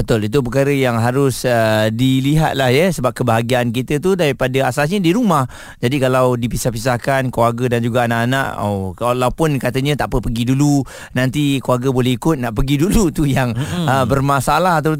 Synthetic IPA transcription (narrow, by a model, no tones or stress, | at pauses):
bət̪ʊlit̪̬up̬əkaɾəjaŋɦaɾʊsədiliɦa̰t̪̚lahjəsəbap̚kəbaɦaɡiaːnk̬it̪ət̪̬udaɾipadəasasɲədiɾumah | d͡ʒadikalawdipisahpis̬ahkankuwaɡədand͡ʒuɡaanaʔana̰ʔo̰walawpʊnkat̪əɲə̃t̪aʔpəpəɡidulu | nãnt̪ikuaɡəbolɛhikʊt̪̚naʔpəɡidulut̪ujaŋəbərmasalaɦat̪̬a